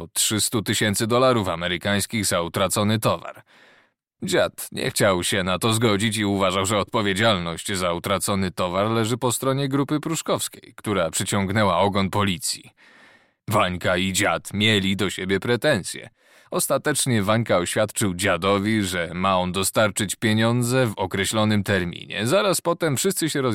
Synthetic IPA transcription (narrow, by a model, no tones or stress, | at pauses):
ɔt̪ʂɘst̪ut̪ɘɕɛnt̪sɘd̪ɔlaɾufamɛɾɘkaj̃skʲiɣzaut̪ɾat̪sɔnɘt̪ɔva̰ɾ | d͡ʑat̪ɲɛ̰xt͡ɕawɕɛnat̪ɔzɡɔd͡ʑit͡ɕiuvaʐawʐɛɔt̪̚pɔvʲjed͡ʑalnɔɕt͡ɕzaut̪ɾat̪sɔnɘt̪ɔvaɾlɛʐɘpɔst̪ɾɔɲɛɡɾupɘpɾuʂkɔfskʲejkt̪uɾapʂɘt͡ɕɔŋɡnɛwaɔɡɔnpɔlʲit̪sʲjḭ | vaɲkaid͡ʑat̪mʲjɛlʲid̪ɔɕebʲjɛpɾɛt̪ɛnt̪sʲjɛ̰ | ɔst̪at̪ɛt͡ʂɲɛvaɲkaɔɕfʲjat̪t͡ʂɘwd͡ʑad̪ɔvʲiʐɛmaɔnd̪ɔst̪aɾt͡ʂɘt͡ɕpʲjeɲɔnd̪zɛvɔkɾɛɕlɔnɘmt̪ɛɾmʲḭɲɛ̰zaɾaspɔt̪ɛmfʂɘst̪sɘɕɛɾɔ